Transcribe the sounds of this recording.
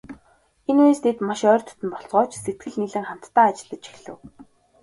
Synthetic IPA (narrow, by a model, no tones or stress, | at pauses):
enuest̪ʰet̪maʃœːrt̪ʰɵ̥t̪ɘ̆mpɔɮt͡sʁɔːt͡ɕset̪̚ɡɘ̆ɮniɮɘ̆ŋχam̥t̪ːaːat͡ɕɪ̆ɮə̆t͡ɕi̥xɮɘ̆w